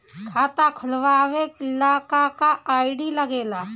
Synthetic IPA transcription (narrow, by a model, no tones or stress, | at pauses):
kʰaːt̪akʰʊlʋaːʋeɪlaːkakaaːɪɖilɐɡeːlaː